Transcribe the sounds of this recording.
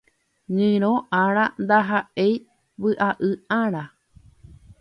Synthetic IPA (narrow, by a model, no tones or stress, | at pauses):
ɲɨ̃ɾ̃õʔãɾ̃ãnd̪aɦaʔej | ʋɨʔaʔɨãɾ̃ã